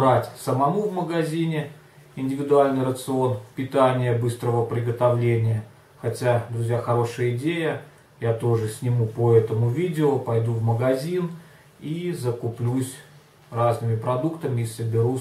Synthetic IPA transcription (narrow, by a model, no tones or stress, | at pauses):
bɾatʲsəmɐmuvməɡɐzʲinʲɪ | ɪnʲdʲɪvʲɪd̪ʊalʲnɨjɾət̪sɨo̞npʲɪt̪anʲɪjəbɨst̪ɾəvəpɾʲɪɡət̪ɐvlʲenʲɪjə | xɐtʲad̪ɾʊzʲjaxɐɾo̞ʂɨjəɪdʲejə | jat̪o̞ʐɨsʲnʲɪmupəɛt̪əmʊvʲidʲɪopɐjd̪uvməɡɐzʲin | izəkʊplʲusʲ | raznɨmʲɪpɾɐd̪ukt̪əmʲɪːsəbʲɪɾu